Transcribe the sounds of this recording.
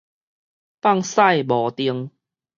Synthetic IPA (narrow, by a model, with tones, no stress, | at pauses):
pa˥˧ŋsa˥˨jbɔ˨˩t̪i˧əŋ